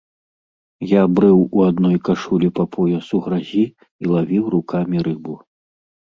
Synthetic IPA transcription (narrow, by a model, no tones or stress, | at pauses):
jabɾɨwuad̪nɔjkaʂulʲipapʰɔjɐsuɣɾazʲi | ilˠavʲiwrukamʲiɾɨbu